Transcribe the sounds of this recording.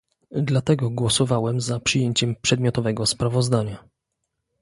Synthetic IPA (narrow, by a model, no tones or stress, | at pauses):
d̪lat̪ɛɡɔɡwɔsɔvawɛmzapʂɘjeɲt͡ɕɛmpʂɛd̪mʲjɔt̪ɔvɛɡɔspɾavɔzd̪aɲa